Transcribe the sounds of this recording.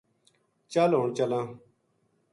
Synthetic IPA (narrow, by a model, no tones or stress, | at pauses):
t͡ʃəlɦoːɳt͡ʃəlãː